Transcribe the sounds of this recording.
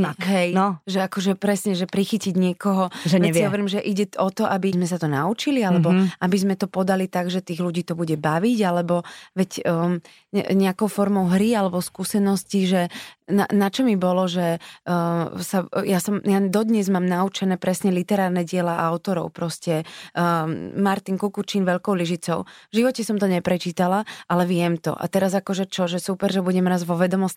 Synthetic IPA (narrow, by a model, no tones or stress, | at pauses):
ɔkɛjnɔʒɛakɔʒɛpɾɛsɲɛʒɛpɾixiciɟɲɪɛkɔɦɔʒɛɲɛiɦɔʋɛɾiːmʒɛʔiɟɛɔt̪ɔʔabizmɛs̬at̪ɔnaut͡ʃilialɛbɔabizmɛt̪ɔpɔd̪alit̪aɡʒɛt̪iːɣluɟiːt̪ɔbuɟɛbaʋiɟalɛbɔʋɛcː | ɲɛakɔʊfɔɾmɔʊɦɾialɛbɔskuːsɛnɔsciʒɛna̰nat͡ʃɔmibɔlɔʒɛ | sajasɔmjad̪ɔd̪ɲɛzmaːmnaut͡ʃɛnɛːpɾɛsɲɛlit̪ɛɾaːɾnɛɟɪɛlaʔaʊt̪ɔɾɔ̰ʊpɾɔscɛ | maɾt̪inkukut͡ʃinʋɛʎkɔʊliʒit͡sɔʊvʒiʋɔcɛsɔmt̪ɔɲɛpɾɛt͡ʃiːt̪alaʔalɛʋɪɛmt̪ɔ̰ʔa̰t̪ɛɾazakɔʒɛt͡ʃɔʒɛsupɛɾʒɛbuɟɛmɾaːzʋɔʋɛd̪ɔmɔs